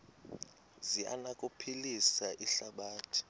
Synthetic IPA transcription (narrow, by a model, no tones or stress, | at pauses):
zia̰nakʼupʰilisaʔiɬaɓaːtʰi̥